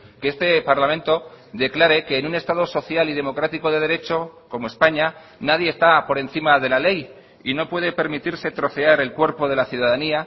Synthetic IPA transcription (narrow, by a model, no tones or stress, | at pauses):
keest̪e̞paɾlamẽnt̪o̞ | d̪e̞klaɾe̞ke̞ːnune̞st̪að̞o̞so̞θjaliðe̞mo̞kɾat̪iko̞ðe̞ð̞e̞ɾe̞t͡ʃo̞ko̞moespaɲa | nað̞je̞ːst̪apo̞ɾe̞nθimaðe̞lale̞j | ino̞pwe̞ð̞e̞pe̞ɾmit̪iɾse̞t̪ɾo̞θe̞aɾe̞lkwe̞ɾpo̞ð̞e̞laθjuðaðania